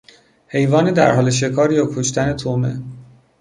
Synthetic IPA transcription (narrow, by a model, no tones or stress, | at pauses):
he̞jvɒːned̪æ̰ɾɦɒːleʃ̬e̞kʰɒːɾijɒkʰoʃt̪ʰænet̪ʰomḛ